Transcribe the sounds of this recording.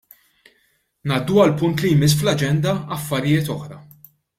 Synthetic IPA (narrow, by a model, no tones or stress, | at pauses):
nɐːd̪ːuɐlpʊnt̪lijmɪs̬ːflɐd͡ʒɛnd̪ɐɐfːɐɾɪjɪːt̪ɔħɾɐ